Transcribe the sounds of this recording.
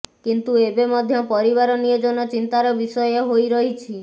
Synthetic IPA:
kint̪uebemɔd̪ʱjɔpɔɾiβaɾɔniod͡ʒonɔt͡ʃint̪aɾɔbisɔjeɦojɾɔɦit͡ʃʰi

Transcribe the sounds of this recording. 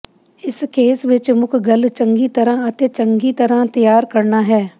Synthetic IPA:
ɪskeːsʋɪt͡ʃmʊkʰɡəlt͡ʃəŋɡiːt̪əɾãːɐt̪eːt͡ʃəŋɡit̪əɾãːt̪əjaːɾkəɾnaːɦɛː

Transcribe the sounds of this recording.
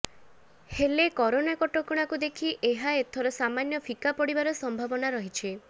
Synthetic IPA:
helekɔɾonakɔʈokuɽ̃akud̪ekʰiʔeɦaet̪ʰɔɾɔsamanjɔpʰikapɔɽibaɾɔsɔmbʱabɔnaɾɔɦit͡ʃʰe

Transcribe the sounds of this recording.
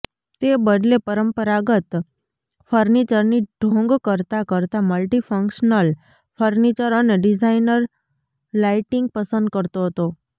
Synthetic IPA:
t̪ebəd̪lepəɾəmpəɾaɡət̪ | fʰəɾnit͡ʃəɾniɖʱõŋɡkəɾt̪akəɾt̪aməlʈifəŋkʃnəl | fʰəɾnit͡ʃəɾəneɖid͡ʒainəɾ | laiʈiŋɡ̚pəsə̃nd̪̚kəɾt̪oɦət̪o

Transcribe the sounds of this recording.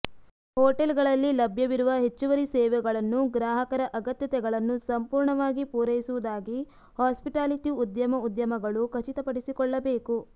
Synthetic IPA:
hɔːʈelɡɐɭɐlːilɐbʱjɐʋiɾuʋɐɦe̞t͡ʃːuʋɐɾisɛːʋɛɡɐɭɐnːuɡɾaːɦɐkɐɾɐʔɐɡɐt̪jɐt̪ɛɡɐɭɐnːusɐmpuːɾɳɐʋaːɡipuːɾɐjisuʋud̪aːɡi | haːspiʈaːliʈiud̪jɐmɐud̪jɐmɐɡɐɭukʰɐt͡ʃit̪ɐpɐɽisikɔɭːɐbeːku

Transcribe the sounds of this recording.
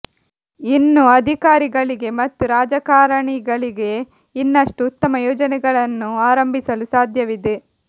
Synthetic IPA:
inːuɐd̪ʱikaːɾiɡɐɭiɡe̞mɐt̪ːuɾaːd͡ʒɐkaːɾɐɳiɡɐɭiɡe̞ | inːɐʂʈuːt̪ːɐmɐjɔːd͡ʒɐnɛɡɐɭɐnːuaːɾɐmbʱisɐlusaːd̪ʱjɐʋid̪e

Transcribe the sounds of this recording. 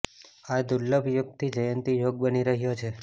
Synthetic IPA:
ad̪ulːəbjuɡ̚t̪ʰid͡ʒəjənt̪ijoɡ̚bəniɾəɦjot͡ʃʰe

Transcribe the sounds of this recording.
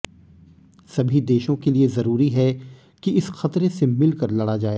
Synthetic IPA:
sɐbʱid̪eːʃõkeliezɐɾuːɾiɦɛ | kiɪsxɐt̪ɾesemɪlkɐɾlɐɽad͡ʒaːeː

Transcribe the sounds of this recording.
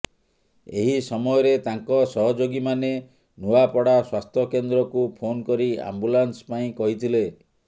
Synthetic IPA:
eɦisɔmɔjɔɾet̪aŋkɔsɔɦɔd͡ʒoɡimane | nuwapɔɽaswast̪ʰɔkend̪ɾɔkupʰonkɔɾia̰mbulanspaĩkɔɦit̪ʰile

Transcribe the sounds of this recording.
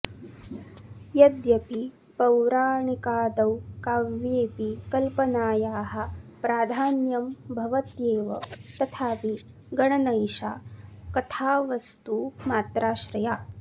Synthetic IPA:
jɐd̪jɐpi | pɐwɾaːɳikaːd̪ɐwkaːʋjeːpikɐlpɐnaːjaːɦɐ̆pɾaːd̪ʱaːnjɐmbʱɐʋɐt̪jeːʋɐ̰t̪ɐt̪ʰaːpi | ɡɐɳɐnɐjʃa̰ːkɐt̪ʰaːʋɐst̪umaːt̪ɾaːʃɾɐjaː

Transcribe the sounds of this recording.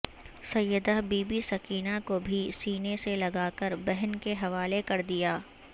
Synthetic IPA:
sɐjəd̪aɦbiːbisɐkiːnakobʱisiːneselɐɡaːkəɾbɛɦənkeɦɐʋaːlekɐɾd̪ijaː

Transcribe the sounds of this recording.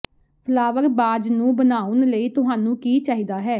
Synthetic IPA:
pʰəlaːʋəkbaːd͡ʒnũːbənaːʊnləiːt̪ʊɦaːnũːkiːt͡ʃaːɦiːd̪aːɦɛː

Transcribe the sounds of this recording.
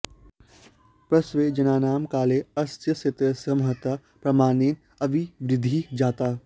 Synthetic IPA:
pɾɐsʋeːd͡ʒɐnaːnaːmkaːleːɐst̪jɐset̪ɾɐsɐmɦɐt̪a | pɾɐmaːneːn | ɐʋiʋɾɪd̪ʱid͡ʒaːt̪aː

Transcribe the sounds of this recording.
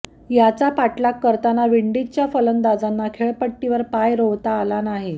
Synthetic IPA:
jat͡sapaʈlakːəɾt̪anaʋiɳɖit͡ɕjafələnd̪ad͡zanːakʰeɭpəʈːiʋəɾpajɾoʋt̪aːlanaɦe

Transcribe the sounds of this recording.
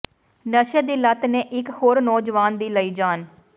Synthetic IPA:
nəʃəd̪iːlət̪neːʔɪkhoːɾnɔːd͡ʒʋaːnd̪iːləiːd͡ʒaːn

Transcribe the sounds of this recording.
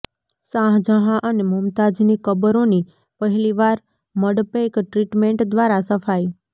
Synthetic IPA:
sãɦd͡ʒəɦãʔənemumt̪ad͡ʒnikəbəɾoni | pəɦɛliʋaɾ | məɽpekʈɾiʈmeɳʈd̪ʋaɾasəfaj

